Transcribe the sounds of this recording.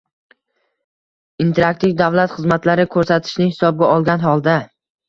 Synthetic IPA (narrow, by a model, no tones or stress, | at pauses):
int̪ʰeɾak̚t̪ʰɪvd̪avlat̪χɨzmat̪laɾɪkʰɵɾsat̪ʰɪ̥ʃnɪhɪ̥sɒb̚ɡʲaɒlˠɡʲanhɒlˠd̪a